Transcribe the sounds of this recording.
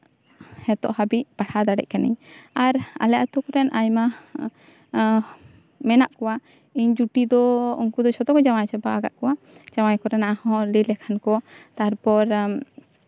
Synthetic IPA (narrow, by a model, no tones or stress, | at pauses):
hɛt̪ɔ̰ʔhabiʔpaɽʰad̪aɽɛ̰c̚kanḭɲaɾa̰lɛaʔat̪ukɔɾɛnʔajma | mɛnaʔkɔwa | iɲd͡ʒuʈid̪ɔṵŋkud̪ɔt͡ʃʰɔt̪ɔkɔd͡ʒawajsɛbaːɡa̰ʔkɔwa | d͡ʒawajkɔɾɛnaʔahɔ̃lilɛkʰankɔt̪aɦaɾpɔɾ